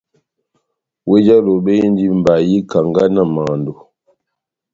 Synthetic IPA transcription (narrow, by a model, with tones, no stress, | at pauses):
we˦d͡ʒa˦lo˨ɓe˦je˦n˦di˦m̩˨ba˨ji˦ka˨ŋɡa˦na˦˨ma˨ndo˨